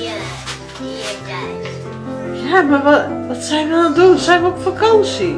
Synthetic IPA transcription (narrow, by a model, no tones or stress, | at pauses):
jamaʋʋɑtsɛjnʋədɑndunsɛjnʋəɔpfakɑnsi